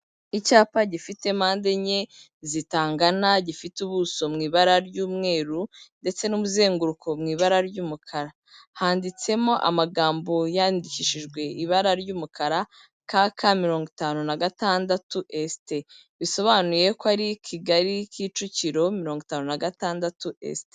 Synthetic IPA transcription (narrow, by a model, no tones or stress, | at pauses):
icaːpaɟifite̞maːnde̞ɲe̞ | zitaːŋɡanaɟifituβuso̞mŋiːβaɾaɾɟuːmŋe̞ːɾunde̞t͡se̞numuze̞ːŋɡuɾukʰo̞mŋiːβaɾaɾɟuːmukʰaɾa | haːndit͡se̞mo̞ʔa̰maɡaːmbo̞jaːndiciʃiʒɡwe̞iβaɾaɾɟuːmukʰaɾa | kakʰamiɾo̞ːŋɡitaːnunaɡataːndatuʔeste | βiso̞βanuje̞kwaɾicʰiɡaɾikʰiːt͡ʃuciɾo̞miɾo̞ːŋɡitaːnunaɡataːndatuʔḛste